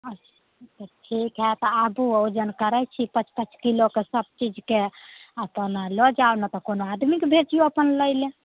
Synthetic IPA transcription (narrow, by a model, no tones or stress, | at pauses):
ət͡ʃʰ | t̪ɔʈʰikɦɛt̪ɔabuod͡ʒənkəɾɛt͡ʃʰipət͡ʃʰpət͡ʃʰkilokesəb̚t͡ʃid͡ʒkeəpənlɔd͡ʒaonət̪ɔkonoad̪mikbʱet͡ʃioəpənləjle